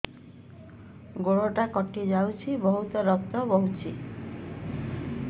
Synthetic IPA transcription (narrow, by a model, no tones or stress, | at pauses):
ɡoɽoʈakɔʈid͡ʒawt͡ʃʰibɔɦut̪ɔɾɔk̚t̪ɔbɔɦut͡ʃʰi